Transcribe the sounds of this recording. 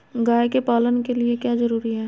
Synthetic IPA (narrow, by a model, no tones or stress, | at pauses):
ɡaːekepaːlənkeliekjaːzɐɾuːɾiɦɛː